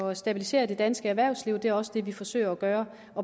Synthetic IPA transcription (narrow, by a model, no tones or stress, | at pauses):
ɒsd̥æb̥ilise̝̰ːɐd̥e̝d̥ænsɡ̥əæɐʋæɐ̰ʊsliʊd̥e̝æɐɒ̽səd̥e̝ʋifɒ̽sø̰ːɪɐɒɡ̥ɶːɐ | ʔɒ̽